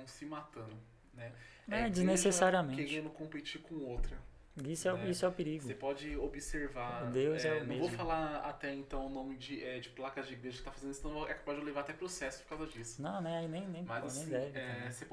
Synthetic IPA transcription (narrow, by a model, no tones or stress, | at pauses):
ɐ̃w̃sɪmat̪ɐ̃nʊ | nɛ | ɛd͡ʒɪnesesaɾiɐmẽkeẽnʊkõpet͡ʃiɾkõowt̪ɾɐ | isʊɛisʊɛʊpeɾiɡʊsepɔd͡ʒɪobɪseɾvaɾd̪ewzɛʊmevofalaɾa̰t̪ɛẽnt̪ɐ̃w̃ʊnõmɪd͡ʒɪʔɛd͡ʒɪplakɐzd͡ʒɪiɡɾeʒɐkɪ̥t̪afazẽnd̪isnɐ̃w̃voɛkabad͡ʒɪʊlevaɾat̪ɛpɾosɛsʊ̥pʊɾkawzɐd͡ʒisʊ̥nɐ̃w̃nɛainẽj̃nẽj̃maznẽj̃d̪ɛ̃vɪ̃ãsep